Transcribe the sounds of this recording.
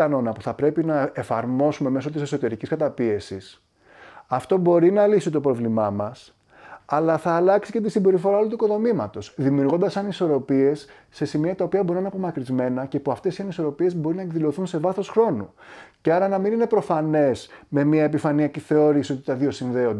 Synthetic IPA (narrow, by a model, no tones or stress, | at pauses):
ɐno̞nɐpuθɐpɾe̞pinɐefɐɾmo̞sume̞me̞so̞t̪ise̞so̞t̪e̞ɾiciskɐt̪ɐpie̞sis | ɐft̪o̞bo̞ɾinɐlisit̪o̞pɾo̞vlimɐmɐs | ɐlɐθɐːlɐksice̞t̪̬isimbe̞ɾifo̞ɾɐolot̪uikoðo̞mimɐt̪o̞sðimiuɾɣo̞nd̪ɐsɐniso̞ɾo̞pie̞sː | e̞simiɐt̪ɐopiɐbo̞ɾinɐnɐpo̞mɐkɾizme̞nɐce̞puɐft̪e̞siɐniso̞ɾo̞pie̞zbo̞ɾinɐe̞kðilo̞θunse̞vɐθo̞sxɾo̞nu | ce̞ɐɾɐnɐminine̞pɾo̞fɐne̞sme̞miɐe̞pifɐniɐciθe̞o̞ɾisiot̪it̪ɐðio̞sinðe̞o̞nd̪